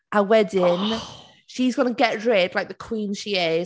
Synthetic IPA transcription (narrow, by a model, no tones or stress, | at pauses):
əwɛdɪ̃n | ʃizɡʌnəɡɛʔɹɛd̥laɪk̚ðəkʰw̥ĩːnʃiɪ